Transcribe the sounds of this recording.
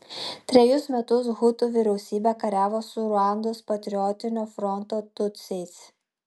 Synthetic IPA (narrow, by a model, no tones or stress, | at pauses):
t̪ʲɾʲɛjʊsmʲɛt̪ʊs̬ɣʊt̪uːʋʲɪɾʲɛʊsʲiːbʲɛkɐɾʲæːʋoːsʊɾʊɑnd̪ospɐt̪ʲɾʲɪɔt̪ʲɪnʲoːfɾɔnt̪oːt̪ʊt̪sʲɛɪs